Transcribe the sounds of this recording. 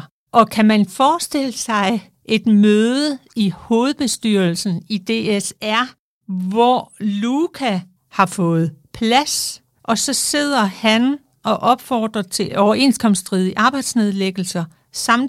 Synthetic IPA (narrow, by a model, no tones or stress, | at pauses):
ʔɒ̽kʰæmænfɒːsd̥e̝l̰əsɑ̈ɪ | ʔe̝d̥møːðˠəiho̝ːð̞̩ˠb̥e̝sd̥yɐlsn̩id̥e̝esæɐ̰ | ʋɒlukʰæ | hɑ̈fɔ̽ːð̞̩ˠpʰlæs | ʔɒ̽sɒ̽se̝ð̞̰ˠɐhæn | ʔɒ̽ʔɒ̽b̥fɒːd̥ʁɐt͡sʰe̝lʔɒʊɐe̝̰nskʰɒ̽msd̥ʁiðˠiʔɑ̈ːb̥ɑ̈ɪd̥sne̝ð̞ˠleɡ̥l̩sɐ | sɑ̈m̰n